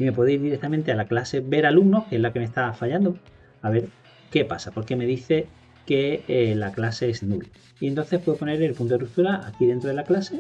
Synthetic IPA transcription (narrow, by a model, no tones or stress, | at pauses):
ime̞pweðoiɾðiɾekt̪amẽnt̪ealaklase̞βe̞ɾalumno̞hkeezlake̞me̞st̪afaʎand̪o | aβe̞ɾ | ke̞pasapo̞ɾke̞me̞ðiθe̞ | ke̞laklase̞esnul | ient̪o̞nθe̞hpwe̞ðopo̞ne̞ɾe̞lpunt̪orut̪uɾaakiðe̞nt̪ɾoðelaklase̞